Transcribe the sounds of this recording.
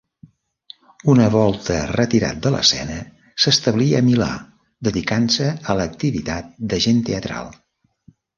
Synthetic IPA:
unəβɔlˠt̪ərət̪iɾa̰t̪̚d̪ələ̰sɛ̰nə | səst̪əβliəːmila̰ | d̪əðikansəələk̚t̪iβit̪at̪̚d̪əʒent̪eət̪ɾa̰lˠ

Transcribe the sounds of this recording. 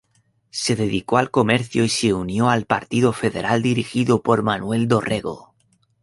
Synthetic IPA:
se̞ðeðikoalko̞meɾθjoise̞unjo̞alpa̰ɾt̪iðofe̞ðe̞̰ɾʔald̪iɾixiðopo̞ɾmanwe̞ld̪o̞rʔe̞ɣo̰

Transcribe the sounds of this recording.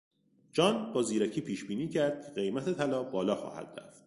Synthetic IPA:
d͡ʒɒːnbɒːziːɾæcʰiːpʰiːʃbiːniːcʰæɾd̪̥̚cʲʰeɣe̞jmæt̪ʰe̞t̪ʰælɒːbɒːlɒːxɒ̰ːhæ̰d̪̥ɾæ̰ft̪̚

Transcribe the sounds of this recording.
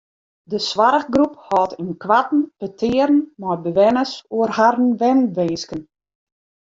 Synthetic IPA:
dəsʋaɾəxɡruphɔːtʰənkʋatn̩pətʰɪːɾən̩mɔjbəʋɛnəsuərharn̩ʋɛnʋeːskən

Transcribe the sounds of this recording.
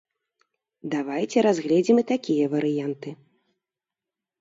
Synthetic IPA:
d̪avajt͡sʲɛɾazɣlʲɛd͡zʲimɨt̪akʲijɐvɐɾɨjant̪ɨ

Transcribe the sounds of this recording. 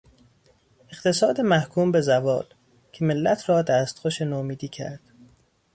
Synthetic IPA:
eqt̪ʰe̞sɒːd̪emæhkʰuːmbezævɒ̰ːl | cʰe̞melːæt̪ʰrɒːd̪æːst̪xoʃenomiːd̪iːcʰæ̰ɾd̪̥

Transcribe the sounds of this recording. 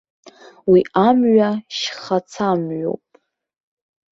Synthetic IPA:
wiamɥaʃχat͡sʰamɥo̞̰wpʼ

